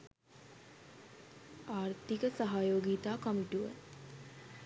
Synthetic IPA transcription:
aːrt̪ikəsaɦajoːɡiːt̪aːkamiʈuʋə

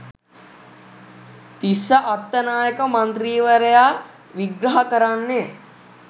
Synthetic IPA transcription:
t̪isɐʔat̪ːɐnaːjəkəmɐnt̪ɾiːʋəɾejaː | ʋiɡɾɐɦɐkəɾanːe

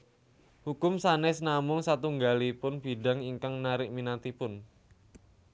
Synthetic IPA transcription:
hukʊmsanɛsnamʊŋsat̪uŋɡalipʊnb̥i̤ɖa̤ŋiŋkaŋnaɾɪʔminat̪ipʊn

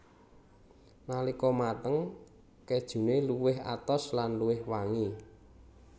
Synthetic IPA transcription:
nalikɔmat̪əŋ | ked̥ʒ̥ṳneluwɪɦa̰t̪ɔslanluwɪhwaŋi

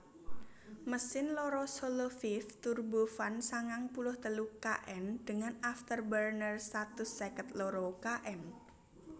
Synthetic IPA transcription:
məsɪnlɔɾɔsolofift̪urbufansaŋaŋpulʊht̪əlukaʔɛnd̪̥əŋanaft̪ərbərnərst̪at̪ʊsɛkət̪lɔɾɔkaʔɛn

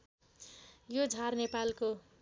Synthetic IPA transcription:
jod͡zʱarnepalko

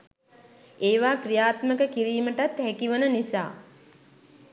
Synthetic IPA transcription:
eːʋaːkɾijaːt̪məkəkiɾiːməʈat̪hækiʋənənisa̰ː

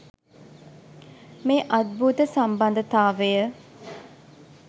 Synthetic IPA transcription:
meːʔɐd̪̚bʱuːt̪əsambɐnd̪ət̪aːʋejə

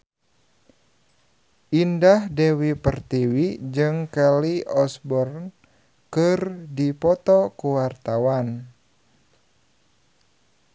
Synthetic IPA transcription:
ʔindahdewipərt̪iwid͡ʒɨŋkaliɔsbɔrn | kɨrdipɔt̪ɔkuwart̪awan

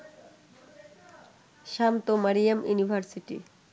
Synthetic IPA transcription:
ʃamt̪omaɾijamjṵnibʱaɾsiʈḭ

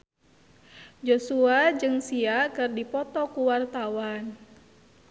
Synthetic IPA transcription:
d͡ʒosuad͡ʒɨŋsiakɨrdipɔt̪ɔkuwart̪awan

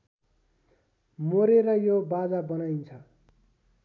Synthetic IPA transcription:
moɾeɾʌjobad͡zabʌnajnt͡sʰʌ

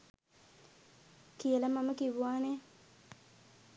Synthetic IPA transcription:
kielɐmɐmɐkibuwaːne

